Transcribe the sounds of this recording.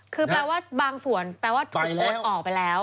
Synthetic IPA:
kʰɯː˧plɛː˧waː˥˩baː˧ŋsu˨˩ənpɛː˧waː˥˩t̪ʰːʔɔː˨˩k̚pa˧jlɛː˦˥w

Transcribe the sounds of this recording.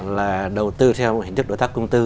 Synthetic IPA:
laː˨˩ɗə˨˩wt̪ɨ˧t̪ʰɛ˧wm˨hi˨t̪ɨ˦˥ɗo̰˧˩t̪aː˦˥kʊ˧ŋ͡mt̪ɨ˧

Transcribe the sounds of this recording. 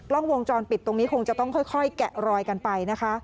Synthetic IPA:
lɔ˥˩ŋwo˧ŋt͡ɕɔː˧npi˨˩t̪ːo˧ŋniː˦˥kʰo˧ŋt͡ɕa˨˩t̪ɔ˥˩ŋkʰɔ˥˩jkʰɔ˥˩jkɛ˨˩ʔɾɔː˧jka˧npa˧jna˦˥kʰa˦˥

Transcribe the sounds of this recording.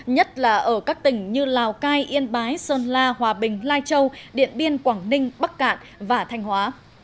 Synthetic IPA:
ɲə˦˥t̚laː˨˩ʔəː˧˩kaː˦˥k̚t̪ï˨˩ŋ̟ɲɨ˧laː˨˩wkaː˧jʔi˧ənɓaː˨˦jsəː˧nlaː˧ɦwaː˨˩ɓï˨˩ŋ̟laː˧jt͡ɕə˧wɗḭ˧˨ənɓi˧ənkwaː˧˩ŋnï˧ŋ̟ɓa˦˥k̚ːa̰ː˧˨n | vaː˨˩t̪ʰa˧jŋ̟hwaː˨˦

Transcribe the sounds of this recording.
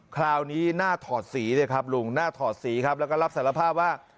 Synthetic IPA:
kʰɾaː˧wniː˦˥naː˥˩t̪ʰɔː˨˩t̪̚siː˩˦dɤː˧˩jkʰa˦˥p̚lu˧˩ŋnaː˥˩t̪ʰɔː˨˩t̪̚siː˩˦kʰa˦˥p̚lɛ˦˥wkɔː˥˩ɾa˦˥saː˨˩˦la˧pʰaː˥˩p̚waː˥˩

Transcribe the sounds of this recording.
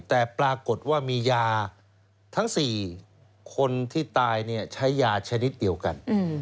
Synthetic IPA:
t̪ɛː˨˩pɾaː˧ko˨˩t̪̚waː˥˩miː˧jaː˧ | t̪ʰa˦˥ŋsiː˨˩ | kʰo˧nt̪ʰiː˥˩t̪aː˧jni˥˩ɐt͡ɕʰa˦˥jːaː˧t͡ɕʰa˧ni˦˥t̪̚di˧əwka̰˧n˥

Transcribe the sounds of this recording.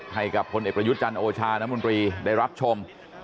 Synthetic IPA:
ha˨˩jka˨˩pʰːo˧nʔeː˨˩pɾa˧ju˦˥t̪̚t͡ɕa˧nʔoː˧t͡ɕʰaː˧na˦˥mo˧nt̪ɾiː˧da˥˩jɾa˦˥p̚t͡ɕʰo˧m

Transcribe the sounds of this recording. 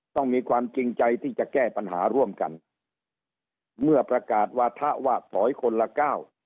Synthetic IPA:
t̪ɔ˥˩ŋmiː˧kʰwaː˧mt͡ɕi˧ŋt͡ɕa˧jt̪ʰiː˥˩t͡ɕa˨˩kɛː˥˩pa˧nɦaː˩˦ɾu˥˩əmka̰˧n | mɯ˥˩əpɾa˧kaː˨˩t̪̚waː˧˩t̪ʰaː˦˥˩waː˧˩t̪ʰɔː˩˦jkʰo˧nla˧kaː˥˩w

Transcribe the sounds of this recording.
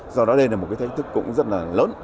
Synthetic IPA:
zɔ˧ɗɔ˨˦ɗe˧nlaː˨˩m̚˨˩kaː˨˦t̪ʰa˦j̚t̪ɨ˦˥kːʊ̰˧˥ŋ͡mzə˦˥t̚laː˨˩ləː˨˦n

